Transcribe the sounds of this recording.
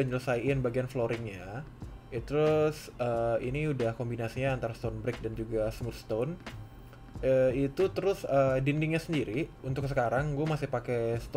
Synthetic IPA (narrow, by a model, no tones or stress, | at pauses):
əɲələsajɪnbaɡianfloɾɪŋɲa | t̪əɾʊsəiniudahkombinasiɲaːnt̪aɾast̪onbɾɪk̚dand͡ʒuɡasmurst̪on | əit̪ut̪əɾʊsədindɪŋɲasəndiɾiunt̪ʊksəkaɾaŋɡuamasɪhpakɛst̪